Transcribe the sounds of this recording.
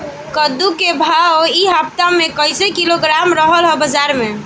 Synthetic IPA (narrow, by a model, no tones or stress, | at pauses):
kəd̪ukebʱaoiɦap̚t̪amekəjsekiloɡɾamɾəɦəlɦəbəd͡ʒaɾme